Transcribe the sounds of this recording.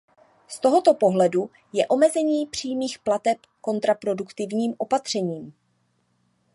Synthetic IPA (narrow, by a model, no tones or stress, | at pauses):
st̪o̞ɦo̞t̪o̞po̞ɦlɛdu | jɛʔo̞mɛzɛɲiːpr̝̥iːmiːxplat̪ɛp | ko̞nt̪ɾapɾo̞dukt̪ɪvɲiːmʔo̞pat̪r̝̥ɛɲiːm